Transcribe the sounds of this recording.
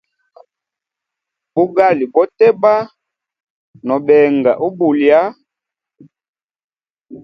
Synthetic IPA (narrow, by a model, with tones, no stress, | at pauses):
bu˦ɡa˦˨li˨bɔ˦tɛ˦ba˦ | nɔ˨bɛ˨ŋɡa˨ʔu˦bu˨lja˦